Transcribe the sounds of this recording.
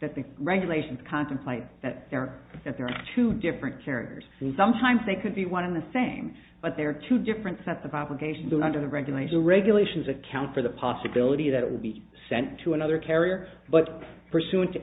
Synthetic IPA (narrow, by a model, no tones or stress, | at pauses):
ðɨt̪̚ðɨɹɛɡjɨleɪʃn̩z̥kʰɑ̃ntɨ̃m̩pʰl̥eɪt̪̚ðɨt̪̚ðə˞ðɨt̪̚ðə˞ːtʰʉdɪfɹɨ̃nkʰɛɹḭə̰˞z̥sʌ̃mtʰãɪ̃mzðeɪkʰɨd̚biwʌ̃ñɨ̃nðɨsẽɪ̃m | b̥ʌt̪̚ðə˞ːtʰʉdɪfɹɨ̃ntsɛtsʌvɑbləɡeɪʃn̩zʌ̃ndə˞ðɨɹɛɡjɨleɪʃəɹɛɡjɨleɪʃn̩zɨkʰãʊ̃ntfə˞ðəpʰɑsɨbɪlˠəɾiðɨɾɨ̰ʔ̚wə̰lˠbi | sɛ̃ntʰɨənʌðə˞kʰɛɹiə˞b̥ʌt̚pʰə˞sʉɨ̃nt